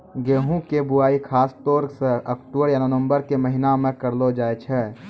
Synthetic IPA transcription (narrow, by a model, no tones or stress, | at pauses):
ɡeːɦũkebuaːikʰaːst̪ɔːɾseəkʈubəɾjanənəmbəɾkeməɦinamẽkəɾlod͡ʒaːet͡ʃʰɛ